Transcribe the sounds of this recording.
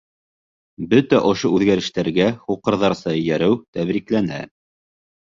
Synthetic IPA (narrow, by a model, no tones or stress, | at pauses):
bɵt̪æʔŏʃoʉðɡæɾɘ̆ʃt̪æɾɡæχuqɤ̆ɾðɑɾsɑjæɾɘwt̪æβɾiklænæ̰